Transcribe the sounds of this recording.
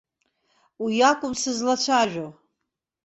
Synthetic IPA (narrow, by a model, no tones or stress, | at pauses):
ujakʷʼʊmsɨzlat͡ʃʷʰaʒʷᶣo